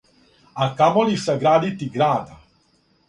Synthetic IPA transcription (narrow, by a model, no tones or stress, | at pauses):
akamolisaɡɾaːd̪it̪iɡɾaːd̪a